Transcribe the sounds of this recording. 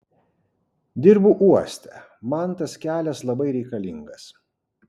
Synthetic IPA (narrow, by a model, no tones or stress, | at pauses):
d̪ʲɪɾbʊʔuɔsʲt̪ʲɛ | mɐnt̪ɐskʲæːlʲɛslˠɐbɐɪɾʲɛɪkɐlʲɪŋɡɐs